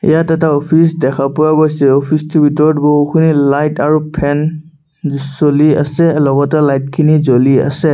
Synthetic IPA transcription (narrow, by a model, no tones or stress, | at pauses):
ḭjatɛtaɔpʰisdɛkʰapɔabɔjsɛɔpʰistubitɔɹdboɦkʰunilajtaɹupʰɛn | solia̰sɛlɔɡɔtɛlajt̚kʰinizolia̰sɛ